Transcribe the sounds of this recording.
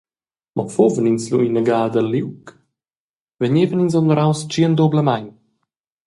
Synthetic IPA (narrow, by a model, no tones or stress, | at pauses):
mɔpfovəninsluinəɡaːd̪əliwk | veɲeːvəninzɔnləɾawst͡ʃiənd̪obləmaɲ